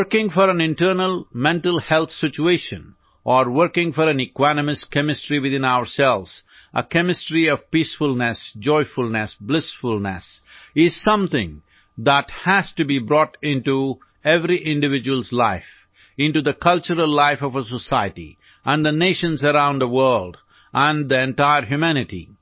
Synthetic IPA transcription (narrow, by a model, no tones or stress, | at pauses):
wəɾkɪ̃ŋfɔɾæ̃nɪ̃nʈəɾnəlˠmɛ̃nʈəlˠhɛlt̪sɪt͡ʃueɪʃə̰̃n | ʔɔɾwəɾkɪ̃ŋfɔɾæ̃nɨkwænəmɨskɛmɪsʈɾiwɨd̪ɪ̃naʊəɾsɛlʋz̥ | ʔə̰kɛmɪsʈɾiɔv̥piːsfʊlnɛsd͡ʒɔɪfʊlnɛsblɪsfʊlnɛ̰sɪz̥sʌ̃mt̪ɪ̃ŋ | d̪æʈhæz̥tubibɾɔʈɪ̃nʈu | ɛvɾiʔɪ̃nɖɨvɪd͡ʒɨwəlˠzlaɪf | ɪ̃nʈud̪əkʰʌlt͡ʃəɾəlːaɪfɔvəs̬əsaɪəʈḭ | ʔə̃nd̪ðəneɪʃə̃nzəɾãʊ̃nd̪əwə˞lɖ | ʔə̃nd̪iɛ̃nʈaɪəɾɦjumænɪʈḭ